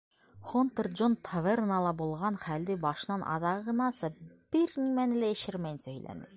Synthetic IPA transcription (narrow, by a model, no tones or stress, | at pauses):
χont̪ɤrd͡ʒont̪ʰovernɑlˠɑbulˠʁɑnχæld̪ɘbɑʃɤ̆nɑnʔɑ̰ðɑɤʁɤ̆nɑsɤb̥ɘɾnimænɘlææ̆ʃɘɾmæjɘ̆nsæhɵ̆jlæ̰nɘ̰